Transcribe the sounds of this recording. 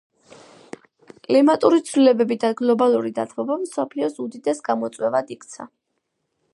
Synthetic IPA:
kʼlimat̪ʼuɾit̪sʰwlilɛbɛbid̪aɡlˠɔbalˠuɾid̪at̪ʰvɔbamsɔpʰliɔsud̪id̪ɛsɡamɔt̪sʼwɛvad̪ikʰt̪sʰa̰

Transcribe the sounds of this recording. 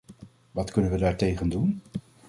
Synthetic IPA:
ʋɑtkɵnənʋədaːɹtejχəndun

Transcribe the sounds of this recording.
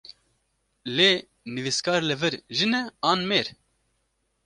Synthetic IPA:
leː | nɨviskɑːɾlɨvɨɾʒɨnɛɑːnmeːɾ

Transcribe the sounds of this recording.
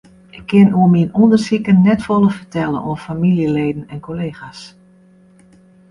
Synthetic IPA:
ʔɪkʰːɪnuəminɔndərsikənːɛtfolˠəfərtʰɛlˠə̰no̰əfamiljəleːdn̩ɛnkʰoleːxas

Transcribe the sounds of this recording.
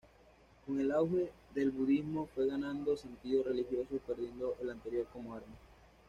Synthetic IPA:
ko̞ŋe̞lawxe̞ | ðe̞lβuðizmo̞fwe̞ɣanãnd̪o̞se̞nt̪iðosre̞lixjo̞sope̞ɾðje̞nd̪oʔe̞lant̪e̞ɾjo̞ɾko̞moaɾme

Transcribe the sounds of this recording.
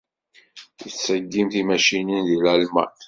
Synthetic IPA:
jəsəɡːimθimæʃininðilʕalmæ̰

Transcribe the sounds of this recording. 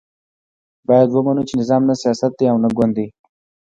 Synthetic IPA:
bɑjad̪wəmanut͡ʃenɪzɑmnasijɑsat̪̚d̪eawnaɡand̪ːe

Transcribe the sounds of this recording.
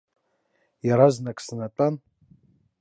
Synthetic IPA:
jaɾaznakʼsanatʼan

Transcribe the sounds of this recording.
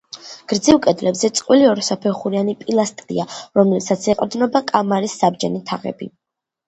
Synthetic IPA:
ɡ̥ɾd̪ziwkʼɛd̪lɛbzɛt̪sʼqʼwiliɔɾɔsapʰɛχuɾianipʼilˠast̪ʼɾḭaɾɔmlɛbsat̪sʰɛqʼɾd̪nɔbakʼamaɾisːabd͡ʒɛnit̪ʰaʁɛ̰bḭ

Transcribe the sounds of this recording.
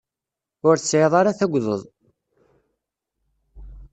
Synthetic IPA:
ʊɾθt͡sːʕeðˤɑɾaθæɡʷðə̰ðˤ

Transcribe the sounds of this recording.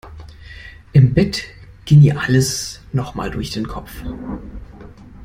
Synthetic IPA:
ʔɪmbɛt | ɡ̥ɪŋiːɐʔaləsnɔχma̰ːldʊɐçd̥eːnkʰɔpp͡f

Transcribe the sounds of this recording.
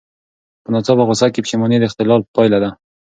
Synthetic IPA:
pənat͡sɑbaɣʊsakːepə̥ʃemɑned̪əɪxt̪ɪlɑlpɑjlad̪a

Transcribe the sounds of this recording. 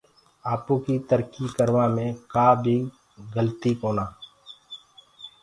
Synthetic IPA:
aːpõkit̪əɾkikəɾʋaːmẽkaːbʱi | ɡəlt̪ikoːnaː

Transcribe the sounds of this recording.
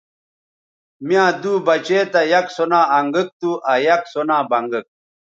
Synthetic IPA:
mijãːd̪uːbɐt͡ɕeːt̪ɐjɐksonãːɐŋɡək̚t̪uʔɐjɐksonãːbɐŋɡək̚

